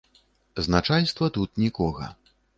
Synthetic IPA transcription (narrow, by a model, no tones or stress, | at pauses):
znat͡ʂajʲst̪vɐt̪ut̪̚nʲikɔɣɐ̰